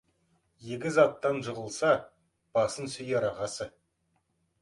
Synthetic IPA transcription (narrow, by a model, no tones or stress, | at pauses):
jeɡʲɪzɑt̪ːɑnʒəʁəlˠsɑ | b̥ɑsənsʏjɑɾɑʁɑsə